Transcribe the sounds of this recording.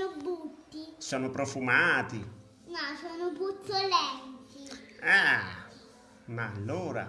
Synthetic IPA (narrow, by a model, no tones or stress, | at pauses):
obːut̪ːisɔːnopɾɔfumaːt̪i | nasɔnʊput̪ːolɛnt̪iɛ | maːlːoːɾa̰